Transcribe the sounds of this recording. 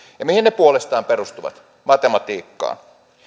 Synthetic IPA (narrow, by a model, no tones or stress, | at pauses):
jɑmihinepuolest̪ɑːmperust̪uʋɑ̰t̪ | mɑt̪emɑt̪iːkːɑ̰ː